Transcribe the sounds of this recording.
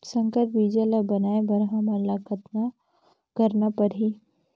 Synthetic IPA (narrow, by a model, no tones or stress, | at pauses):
sə̃ŋkəɾbid͡ʒəlabɐnaːebɐɾɦãmɐlakət̪na | kɐɾnapɐɾɦi